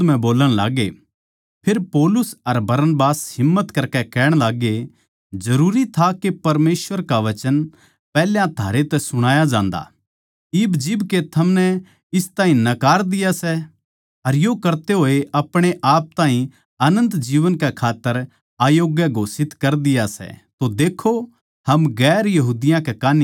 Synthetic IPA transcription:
m̤ɛ̃boːləɽ̃la̰ːɡḛ | pʰeɾpɔːlʊsɐɾbɐɾənbaːsɦɪmːət̪kɐɾkɛkɛːɽ̃laːɡe | d͡ʒɐɾuːɾit̪ʰakepɐɾmeːsʋəɾkaʋɐt͡ʃən | pɛːljãt̪ʰaːɾet̪ɛsʊɽ̃aːjad͡ʒãːnd̪a̰ | ɪbd͡ʒɪbket̪ʰɐmnɛ | ɪst̪ãːɦĩnɐkaːɾd̪ɪjasɛ | ɐɾjokɐɾt̪eɦoːeɐpɽ̃eʔaːp̚t̪ãːɦĩ | ɐnə̃nt̪d͡ʒiːʋənkɛkʰaːt̪ːəɾ | aːjoːɡjəɡʱoːsɪt̪kɐɾd̪ɪjasɛ̰t̪od̪eːkʰo | hɐmɡɛːɾjɐɦuːd̪ɪjãkɛkaːni

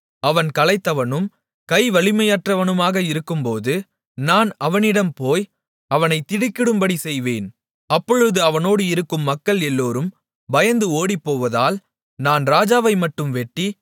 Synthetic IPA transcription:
ɐʋɐnkɐlɐɪt̪ːɐʋɐnɯm | kɐɪʋɐɭɪmɐjaːʈrɐʋɐnɯmaːɣɐɪɾɯkːɯmpoːðɯ | naːnɐʋɐnɪɽɐmpoːj | ɐʋɐnɐɪt̪ːɪɽɪkːɪɽɯmbɐɽisɛjʋeːn | ɐpːɔɻɯðɯɐʋɐnoːɽɯɪɾɯkːɯmːɐkːɐɭɛlːoːɾɯm | bɐjɐnd̪ɯoːɽipːoːʋɐðaːl | naːnɾaːd͡ʒaːʋɐɪmɐʈːɯmʋɛʈːi

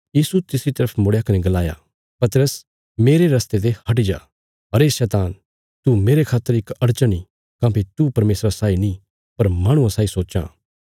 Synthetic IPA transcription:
jiːsut̪ɪsɾit̪ɐɾəpʰmʊɽejakɐneɡɐlaːja̰ | pɐt̪ɾəs | meːɾeɾɐst̪et̪̬ehɐʈ̬id͡ʒa̰ː | ɦɐɾesɛːt̪aːn | t̪umeːɾekʰaːt̪ːəɾɪkɐɽt͡ʃəɽ̃i | kãːpit̪upɐɾmeːsɾasaːinĩ | pɐɾmaːɽ̃ʊ̃ãsaːisoːt͡ʃã̰ː

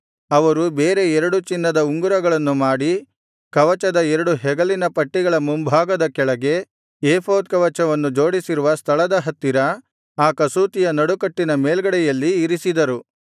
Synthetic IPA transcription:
ɐʋɐɾubeːɾe̞ɛɾɐɽut͡ʃinːɐd̪ɐuŋɡuɾɐɡɐɭɐnːumaːɽi | kɐʋɐt͡ʃɐd̪ɐɛɾɐɽuɦɛɡɐlinɐpɐʈːiɡɐɭɐmumbʱaːɡɐd̪ɐkɛɭɐɡe̞ | eːpʰoːd̪̚kɐʋɐt͡ʃɐʋɐnːud͡ʒo̞ːɽisiɾuʋɐst̪ʰɐɭɐd̪ɐɦɐt̪ːiɾɐ | aːkɐsuːt̪ijɐnɐɽukɐʈːinɐmeːlɡɐɽɛjɐlːiːɾisid̪ɐɾu

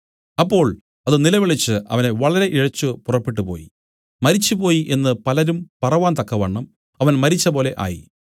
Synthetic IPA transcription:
ɐpːo̞ːɭ | ɐðɨnilɐʋiɭit͡ɕːɨɐ̰ʋɐne̞ʋɐɭɐɾe̞ʔiɻɐt͡ɕːupurɐpːiʈːupo̞̰ːjḭ | mɐɾit͡ɕːupo̞ːjiʔe̞nːɨpɐlɐɾumpɐrɐʋaːnt̪ɐkːɐʋeɳːɐm | ɐʋɐnmɐɾit͡ɕːɐpo̞ːle̞ʔa̰ːjḭ

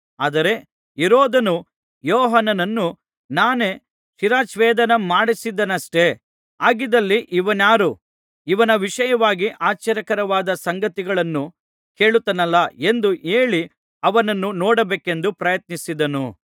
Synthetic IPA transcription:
aːd̪ɐɾe̞ | iɾɔːd̪ɐnu | jɔːɦɐnɐnɐnːu | naːne̞ː | ʃiɾaːt͡ʃʋɛːd̪ɐnɐmaːɽisid̪ɐnɐʂʈe̞ | aːɡid̪ɐlːiʔiʋɐnjaːɾu | iʋɐnɐʋiʂɐjɐʋaːɡiʔaːt͡ʃːɐɾjɐkɐɾɐʋaːd̪ɐsɐŋɡɐt̪iɡɐɭɐnːu | ke̞ːɭut̪ːɐnɐlːɐe̞nd̪uʔe̞ːɭi | ɐʋɐnɐnːunɔːɽɐbeːke̞nd̪upɾɐjɐt̪̚nisid̪ɐnu

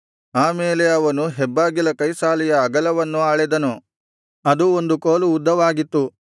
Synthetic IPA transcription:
aːmeːleɐʋɐnuɦɛbːaːɡilɐkɐjsaːlɛjɐːɡɐlɐʋɐnːuaːɭed̪ɐnu | ɐd̪uo̞nd̪ukoːluːd̪ːɐʋaːɡit̪ːu

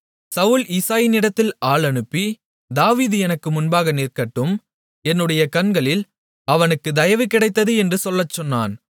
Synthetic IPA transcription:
sɐʋʊliːsaːjɪnɪɽɐt̪ːɪlaːɭɐɳɯpːi | d̪aːʋiːðɯɛnɐkːɯmʊnbaːɣɐniːrkɐʈːɯm | ɛnːɯɽɐjɐkɐnɡɐɭɪl | ɐʋɐnɯkːɯd̪ɐjɐʋɯkːɪɽɐɪt̪ːɐðɯɛndrɯsɔlːɐt͡ʃːɔnːa̰ːn

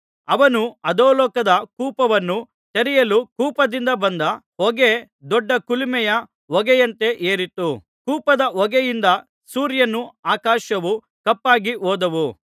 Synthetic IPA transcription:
ɐʋɐnuɐd̪oːlɔːkɐd̪ɐkuːpɐʋɐnːu | t̪eɾijɐlukuːpɐd̪ind̪ɐbɐnd̪ɐ | ɔɡe | d̪ɔɖːɐkulimɛjɐ | ʋɔɡɛjɐnt̪e̞ʔeːɾit̪u | kuːpɐd̪ɐɔɡɛjind̪ɐ | suːɾjɐnːuaːkaːʃɐʋu | kɐpːaːɡiɦoːd̪ɐʋu

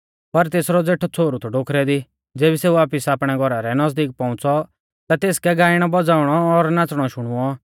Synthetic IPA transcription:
pɐɾt̪eːsɾɔd͡zeːʈʰɔt͡sʰoːɾut̪ʰɔɖoːkʰɾɛd̪i | d͡zeːbiseːuaːpɪsaːpɽ̃ɛɡʱɔɾaɾɛnɐzd̪iːk̚pɔ̃ʊ̃t͡sɔ | t̪at̪eːskɛɡaːɪɽ̃ɔbɔd͡zaːʊɽ̃ɔːɾnãt͡sɽ̃ɔʃʊɽ̃ʊɔ

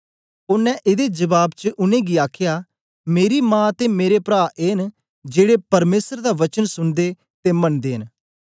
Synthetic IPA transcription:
ʊnːɛ̃ʔɪd̪ed͡ʒəʋaːbt͡ʃəʔʊnẽːɡiaːkʰɪjaː | meːɾiːmãːt̪eːmeːɾepɾaːʔeən | d͡ʒeːɽepɐɾmeːsəɾd̪aːʋət͡ʃənsʊnd̪eː | t̪eːmənd̪eːɦən

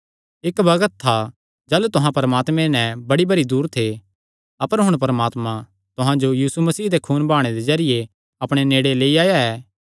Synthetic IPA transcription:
ɪkbɐɡət̪ʰːa | d͡ʒaːlut̪ʊɦãpɐɾəmaːt̪mɛ̃nɛ̃bɐɽibɐɾid̪uːɾt̪ʰe | ɐpəɾɦʊɽ̃pɐɾəmaːt̪mã | t̪ʊɦãd͡ʒojiːsumɐsiːd̪ekʰuːnbʱaːɽ̃ed̪ezɐɾɪje | ɐpɽ̃eneːɽeleːiaːjaɛː

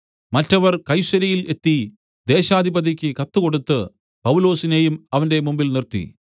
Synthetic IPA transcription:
mɐtːɐʋɐrkɐjɕɐɾɐjile̞t̪ːi | d̪e̞ːɕaːd̪ʱibɐðikʲːɨkɐt̪ːuko̞ɽut̪ːɨ | pɐwulo̞ːsine̞jumɐʋɐnde̞mumbilnirt̪ḭ

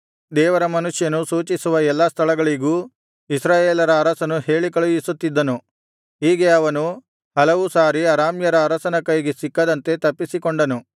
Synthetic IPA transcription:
d̪ɛːʋɐɾɐmɐnuʂjɐnusuːt͡ʃisuʋɐɛlːast̪ʰɐɭɐɡɐɭiɡuː | isɾaːjeːlɐɾɐːɾɐsɐnuhe̞ːɭikɐɭujisut̪ːid̪ːɐnu | ɦiːɡe̞ɐʋɐnu | hɐlɐʋusaːɾiɐɾaːmjɐɾɐːɾɐsɐnɐkɐjɡesikːɐd̪ɐnt̪e̞t̪ɐpːisikoɳɖɐnu

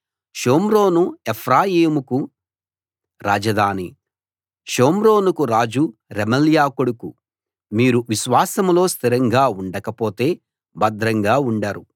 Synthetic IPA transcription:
ʃoːmɾo̞ːnuepʰɾaːjiːmuku | ɾaːd͡ʒɐd̪ʱaːni | ʃoːmɾo̞ːnukuɾaːd͡ʒuɾemɐljaːkoɽuku | miːɾuʋiʃʋaːsɐmlo̞ːst̪ʰiɾɐŋɡaːuɳɖɐkɐpo̞ːt̪e̞ː | bɐd̪ɾɐŋɡaːuɳɖaːɾu

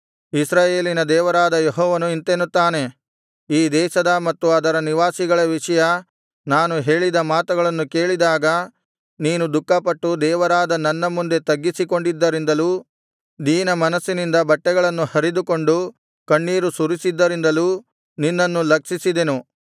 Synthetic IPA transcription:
isɾaːjeːlinɐd̪ɛːʋɐɾaːd̪ɐjeɦɔːʋɐnuint̪enut̪ːaːne̞ | iːd̪ɛːʃɐd̪ɐmɐt̪ːuɐd̪ɐɾɐniʋaːsiɡɐɭɐʋiʂɐjɐ | naːnuɦe̞ːɭid̪ɐmaːt̪uɡɐɭɐnːukeːɭid̪aːɡɐ | niːnud̪ukːɐpɐʈːud̪ɛːʋɐɾaːd̪ɐnɐnːɐmːund̪e̞t̪ɐɡːisiko̞ɳɖid̪ːɐɾind̪ɐluː | niːnɐmɐnɐsːinind̪ɐbɐʈːɛɡɐɭɐnːuhɐɾid̪uko̞ɳɖu | kɐɳːiːɾusuɾisid̪ːɐɾind̪ɐluː | ninːɐnːulɐkʂisid̪e̞nu

